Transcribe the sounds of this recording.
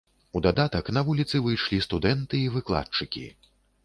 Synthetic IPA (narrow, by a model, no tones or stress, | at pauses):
ud̪ad̪at̪ɐknɐvulʲit̪sɨvɨjʂlʲist̪ud̪ɛnt̪ɨivɨklˠa̰t̪̚t͡ʂɨkʲḭ